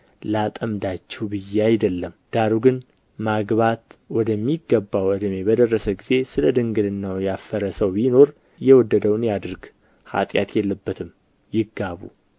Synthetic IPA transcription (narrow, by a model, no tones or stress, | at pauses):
lat̪ʼəmd̪at͡ʃːɛwbɨjːeajd̪əlːəmd̪̥aɾuɡɨn | maɡβat̪wɔd̪əmːiɡːəbːawəd̪əme̞bəd̪ərːəsəɡize̞sɨləd̪ɨŋɡɨd̪ɨnːawjafəɾəsəwino̞ɾ | jɛwɔd̪ːəd̪əwnjad̪ɨɾɡ | ha̰t̪ʼja̰t̪jɛlːəbːət̪ʰɨm | jɪɡːaβṵ